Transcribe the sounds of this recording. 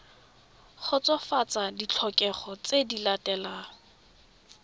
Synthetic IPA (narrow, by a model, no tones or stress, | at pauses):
χʊt͡sɔfat͡sadit͡ɬʰɔkʼɛχɔt͡sedilatʼɛlaː